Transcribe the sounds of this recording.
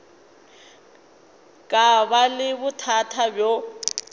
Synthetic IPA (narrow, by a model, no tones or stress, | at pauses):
kʼaβalɪbʊtʰatʰabjo